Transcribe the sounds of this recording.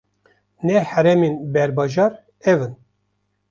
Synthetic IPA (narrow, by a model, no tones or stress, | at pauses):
nɛhæɾɛmenbɛɾbɑʒɑːɾ | ɛvɨn